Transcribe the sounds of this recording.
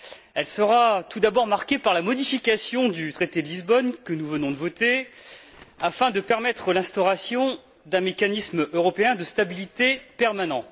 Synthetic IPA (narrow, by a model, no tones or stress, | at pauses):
ɛlsəʁat̪ud̪abɔʁmaʁkʲepaʁlamɔd̪ifikʲasjɔ̃d̪yt̪χet̪ed̪əlizbɔnkənuvənɔ̃d̪əvɔt̪e | afɛ̃d̪əpɛʁmɛt̪χəlɛ̃st̪ɔʁasjɔ̃ | d̪ɛ̃mekʲanismøʁɔpeɛ̃d̪əst̪abilit̪epɛʁmanɑ̃